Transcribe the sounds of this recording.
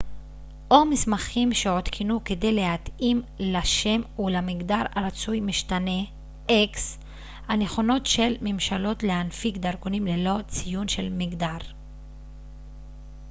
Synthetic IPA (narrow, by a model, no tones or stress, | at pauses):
ʔo̞mismaχimʃeo̞t̪kʰinuke̞de̞jle̞hatimlaʃe̞mulamiɡdaʁaʁat͡sujmiʃtane̞ | ʔeks | hane̞χo̞no̞tʃe̞lmemʃalo̞tle̞hanfikdaʁkonimle̞lo̞t͡sijunʃe̞lmiɡdaʁ